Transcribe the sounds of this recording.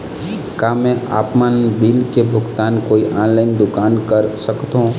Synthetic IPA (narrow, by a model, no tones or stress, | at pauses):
kaːmɛ̃ʔa̰ːpmaːnbilkebʱʊɡt̪aːnkoːiʔaːnlaːɪnd̪ʊkaːnkəɾsəkt̪ɦõ